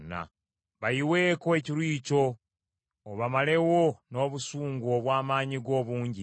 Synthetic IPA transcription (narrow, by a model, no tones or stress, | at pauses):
na̰ | βajiwe̞ːkoeciɾwiːco̞ː | βamale̞wono̞ːβusuːŋɡoːβwaːmaːɲiɡo̞ːβuːɲɟi